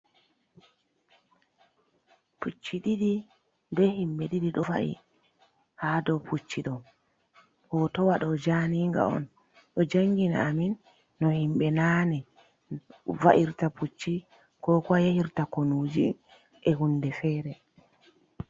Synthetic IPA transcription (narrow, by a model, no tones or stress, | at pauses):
put͡ʃːiɗiɗi | ndɛhimɓɛɗiɗiɗɔva̰ʔḭ | hadɔpʰut͡ʃːiɗɔ | hɔtɔwaɗɔd͡ʒaniːŋɡa̰ɔ̰n | ɗɔd͡ʒaŋɡina̰ːminː | ɔhimɓɛnaːnɛ | va̰ʔiɾtaput͡ʃːi | kɔkɔjahiɾtakonud͡ʒi | ʔɛhundɛfɛːɾɛ